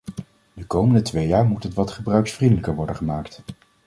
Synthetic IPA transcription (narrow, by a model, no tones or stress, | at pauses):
dəkowməndətʋejaːɹmutətʋɑtχəbrœɥksfrindələkəɹʋɔɹdəχəmaːkt